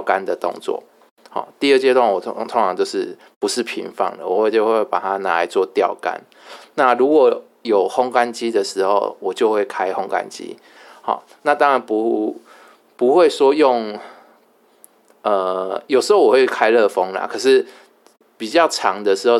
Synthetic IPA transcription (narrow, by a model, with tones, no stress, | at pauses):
ka˦nd̪ə˨t̪ʊ̰˥˧ŋt͡swɔ̰˨˩ | xɔ̰˨˩t̪i˥˧ə˥˩t͡ɕjɛ˥d̪wa˥˩nwɔ˨˩˦t̪ʰŋʈ͡ʂʰɑ˨˦ŋt͡ɕjo˥˧ʊʂɻ̩˥˩ | pu˧˦ʂɻ̩˥˩˨pʰḭ˧˥ŋfɑ̰˥˩ŋlə̰˨˩wɔ˨˩we˥˩t͡ɕo˥˧xwe˥˩pa˨˩t̪ʰa˦na˨˦a˨˦t͡swɔ˥˨t̪jɑ˥˨˩ʊka̰˦n | na˥˨lu˧˦˥kwɔ˨˩˦ | jo˨˩ʊhɔ˦ŋka˦nt͡ɕi˦d̪ə˨ʂɻ̩˧˥xo̰˥˨˩ʊwɔ˨˩t͡ɕjo˥˧ʊxwe˥˩ɪkʰa˥˦ɪxɔ˧ŋka̰˦nt͡ɕḭ˦ | hɔ̰˨˩ | na˥˨t̪ɑ˦ŋɻa˧˦npu˧˦ | pu˨˦hwe˥˨ɪʂwɔ˦jɔ˥˨ŋ | ə˨˩jo˨˩ʂɻ̩˧˥ho˥ʊwwe˥˩ɪkʰa˦ɪlɤ˥˨fɔ˦ŋla̰˨˩kʰɤ˨˩ʂɻ̩˥˩ | pi˨˩t͡ɕjɑ˥˨ʊʈ͡ʂʰɑ˧˦ŋd̪ə˨ʂɻ̩˧˥ho˥˧ʊ